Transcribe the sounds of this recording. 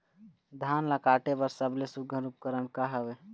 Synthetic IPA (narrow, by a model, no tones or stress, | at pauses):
d̪ʱaːnlakaːʈebəɾsəblesuɡʱəɾup̚kəɾənkaɦəwe